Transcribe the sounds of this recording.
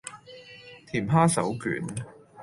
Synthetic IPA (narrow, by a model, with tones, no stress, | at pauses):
t̪ʰiː˨˩mɦaː˥sɐ̰˨˥wky̰ː˨˥n